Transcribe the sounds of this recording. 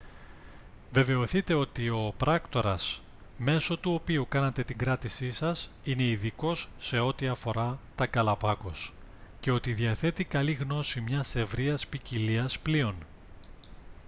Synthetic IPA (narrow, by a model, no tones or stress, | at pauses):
ve̞ve̞o̞θit̪e̞o̞t̪io̞pɾɐkt̪o̞ɾɐs | me̞so̞t̪uo̞piukɐnɐt̪e̞t̪iŋɡɾɐt̪isisɐs | ine̞iðiko̞sːe̞o̞t̪iɐfo̞ɾɐt̪ɐɡɐlɐpɐko̞sce̞o̞t̪iðjɐθe̞t̪ikɐliɣno̞simɲɐse̞vɾiɐspiciliɐsplio̞n